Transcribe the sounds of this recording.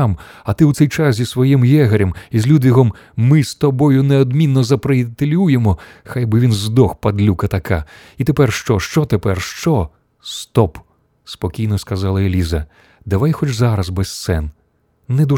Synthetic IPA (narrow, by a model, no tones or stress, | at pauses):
amɐt̪ɪwt̪sɛjt͡ʃaszʲisʋɔjimjɛɦɐɾʲɐmizʲlʲud̪ʋʲiɦɔmː | ɪst̪ɔbɔjʊneɔd̪mʲinːɔzɐpɾeit̪elʲujemɔ | xajbɪʋʲinzd̪ɔxpɐd̪lʲukɐt̪ɐka | it̪epɛrʃt͡ʃɔʃt͡ʃɔt̪epɛrʃt͡ʃɔ | st̪ɔp | spɔkʲijnɔskɐzɑlˠɐelʲizɐ | d̪ɐʋajxɔt͡ʃzaɾɐzbɛst̪sɛn | nɛd̪u